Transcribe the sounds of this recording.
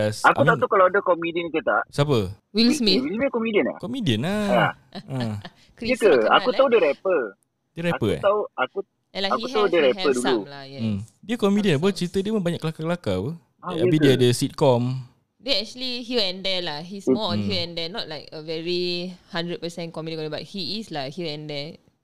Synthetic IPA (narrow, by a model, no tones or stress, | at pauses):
saka̰utmaut̪akalawadəkɔmidiənit̪ut̪a̰ʔsapə | wilmiiikɔmidiəna̰kɔmidiənaa | a | kɹijəkəa̰kut̪audəɾɛpə | dəɾɛpə̰t̪auʔaku | alaakut̪audəɾɛpədululajɛdiəkɔmidiənlaboət͡ʃɾit̪ədiəmə̃mbaɲakːəlakakəlakawə | abidiadəsit̪̚kɔm | dɛɛk̚t͡ʃuəliɦiəɛ̃ndɛlaɦismɔɔ̃nhiɛ̃ndɛnɔt̚laɪkəvɛɹihãndɹəd̚pəsɛ̃nkɔmidiə̃kɔ̃nəba̰t̚hiːslahiəɛ̃ndɛ